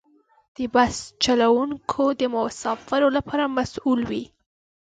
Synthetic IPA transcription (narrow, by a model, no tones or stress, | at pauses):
d̪̥əbast͡ʃalawuŋkʰod̪əmʊsɑfɪɾolapʰɑɾamasulwi